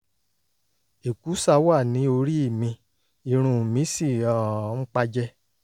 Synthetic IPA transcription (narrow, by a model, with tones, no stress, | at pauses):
e˨ku˨˦sa˧wa˦˨nĩ˨˦o˧ɾi˦i˦˨mĩ˧ | i˧˨ɾ̃ũ˨mĩ˨˦si˦˨ɔ̃˨˦k͡pa˧d͡ʒɛ˦